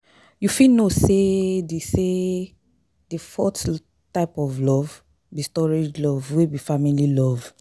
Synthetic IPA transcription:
jufinosedise | difɔt | taɪpɔvlɔv | bistɔɹid͡ʒlɔvwebifamililɔv

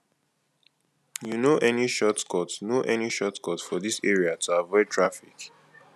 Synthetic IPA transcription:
junoʔɛniʃɔtkʰɔtnoʔɛniʃɔtkɔtfɔðiseɹiatʰuavɔɪd̚tʰɹafik

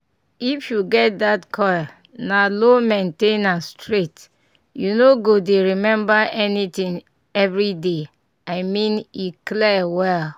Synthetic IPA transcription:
ifjuɡɛt̚d̪atkʰɔj | nalomẽntẽnãnstɹet | junoɡodeɹimɛ̃mbaʔɛnitĩŋ | ɛvɹide | aɪmĩniklɛwɛl

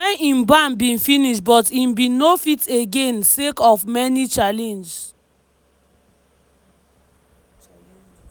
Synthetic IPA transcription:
ɛ̃nĩnbãmbĩnfĩniʃtbɔtĩnbĩnːofiteɡẽnsekɔfmɛnit͡ʃalɛ̃nd͡ʒs

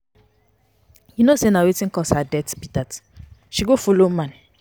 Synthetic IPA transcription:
jinosenawetĩn̩kɔshadɛtbitatʃiɡofolomãn

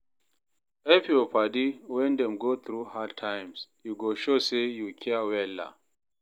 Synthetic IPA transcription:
ɛfiɔpadiwɛ̃nd̪ɛ̃mɡoθɾuhatʰãjmsjuɡoʃosejukʰɛwɛla̰

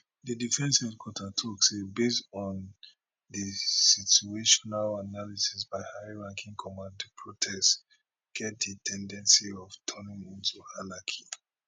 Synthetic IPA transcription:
ðədifɛ̃nsɛdkʰwɔtʰatʰɔksebestɔn | dəsitueʃɔnalanalisisbaɪhaɪɹãŋkʰĩŋkʰɔmãndpʰɹɔtʰɛst | ɡ̥ɛt̚dətʰɛ̃ndɛ̃nsiɔvtʰɔnĩŋĩntuhalakʰi

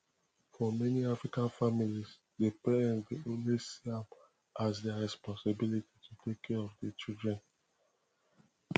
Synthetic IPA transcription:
fɔmɛniafɹikãnfamilis | depɛɛ̃ndeõnlisiãm | ʔazdɛaɹɛspɔ̃nsəbilititʰutʰekʰːɛɹɔvdət͡ʃildɹɛ̃n

